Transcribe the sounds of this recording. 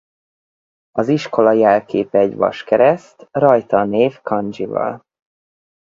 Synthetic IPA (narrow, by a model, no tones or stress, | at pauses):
ɒziʃko̞lɒjɛlkeːpɛːɟvɒ̰ʃkɛɾɛst̪rɒjt̪ɒneːfkɒnd͡ʒivɒ̰l